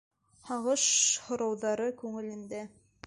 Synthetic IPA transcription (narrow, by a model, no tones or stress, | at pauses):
hɑʁɤʃhŏɾɑwðɑɾɤkʉŋɘ̆lɘ̆nd̪æ